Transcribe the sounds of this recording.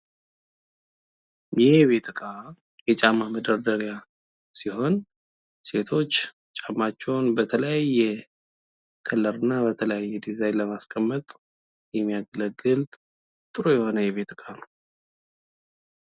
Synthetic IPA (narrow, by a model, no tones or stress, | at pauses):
jɛβe̞t̪ʰɨkʼa | jɛt͡ʃʼamːaməd̪əɾd̪əɾja | siho̞n | se̞t̪ʰo̞t͡ʃː | t͡ʃʼamːat͡ʃːɛwnbət̪ʰələjajːɛ | kʰəlːəɾɨnːabət̪ʰələjajːɛd̪izajnləmaskʼəmːət̪ʼ | jɛmːijaɡələɡːɨl | t̪ʼɨɾojɛho̞nəjɛβe̞t̪ɨkʼanəw